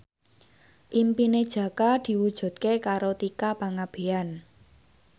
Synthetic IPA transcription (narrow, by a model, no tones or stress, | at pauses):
ʔimpined̥ʒ̥ä̤kad̪̥i̤wud̥ʒ̥ṳd̪̥̚kekaɾot̪ikapaŋab̥e̤an